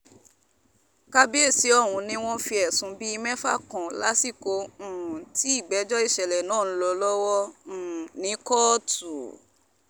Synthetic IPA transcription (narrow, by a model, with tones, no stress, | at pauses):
ka˦bi˦e˦˨si˨˦ɔ˦˨wũ˨˧nĩ˦w̃ɔ̃˦fi˧ɛ˨sũ˨˦bi˦i˧mɛ̃˦fa̰˦˨kɔ̃˨la̰˨˦si˦˨kõ˨˧˨ti˨˦i˦˨ɡ͡bɛ˨˦d͡ʒɔ˦i˦˨ʃɛ˨lɛ˨nãː˦˨ñ̩˦lɔ˧˦lɔ˦wɔ˦˨ | nĩ˨˦kɔ˦˨tu˨